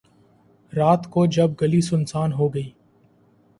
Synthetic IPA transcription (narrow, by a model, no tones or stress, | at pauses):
ɾaːt̪kod͡ʒɐb̚ɡɐlisʊnsaːnɦoːɡɐiː